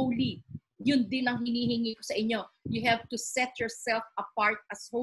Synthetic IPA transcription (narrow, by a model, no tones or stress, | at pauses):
li | jʊnd̪ɪnɐŋɦɪniːhɪŋikosɐʔɪɲo̞jʊɦɛvt̪ʊsɛt̪jɔɹsɛlfʔɐpaɹt̪̚ɐsho